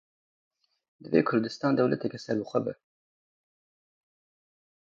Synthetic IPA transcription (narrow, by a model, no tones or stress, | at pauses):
d̪ɨvḛːkʰʊɾd̪ɨst̪ɑːnd̪ɛwlɛt̪ʰɛkɛsɛɾbɨxʷɛbɨ̰